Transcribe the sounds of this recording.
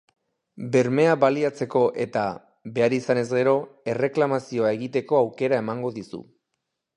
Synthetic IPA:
be̞ɾme̞aβaliat͡se̞ko̞ʔe̞t̪a | βe̞aɾisane̞zɡe̞ɾo̞e̞re̞klamasio̞ae̞ɣit̪e̞ko̞awke̞ɾae̞maŋɡo̞ðisṵ

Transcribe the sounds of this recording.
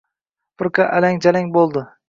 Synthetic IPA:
pʰʊɾkʰaʔalaŋd͡ʒalaŋbolˠd̪ɪ

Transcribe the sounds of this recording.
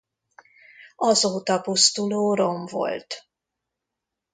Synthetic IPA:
ɒzoːt̪ɒpust̪uloːɾomvo̰lt̪

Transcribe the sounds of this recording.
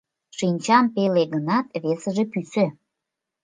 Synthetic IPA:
ʃinʲt͡ɕɑmpeleɡənɑt̪βesə̆ʒĕpysĕ

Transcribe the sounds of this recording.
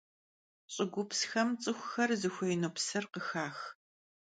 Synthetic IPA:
ɕʼɪɡʷʊpsxɐmt͡sʼɨxʷʊxɐrzɨxʷejnoːpsɨrqəxaːx

